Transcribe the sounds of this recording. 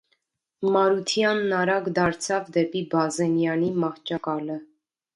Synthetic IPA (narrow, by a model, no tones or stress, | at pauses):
mɑɾut̪ʰjɑnːɑɾɑɡd̪ɑɾt͡sʰɑvd̪ɛpibɑzɛnjɑnimɑχt͡ʃɑkɑlə